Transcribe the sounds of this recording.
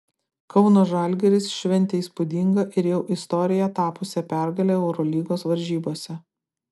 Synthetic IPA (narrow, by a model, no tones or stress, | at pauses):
kɐʊnoːʒɐˑlʲɡʲɛɾʲɪsʃʲʋʲɛnʲt̪ʲɛiːˑspʊd̪ʲiŋɡɐʔɪɾjɛʊʔɪst̪ɔɾʲɪjɛt̪ɑːpʊsʲɛpʲæˑɾɡɐlʲeːɛʊɾɔlʲiːɡoːsʋɐɾʲʒʲiːboːsʲɛ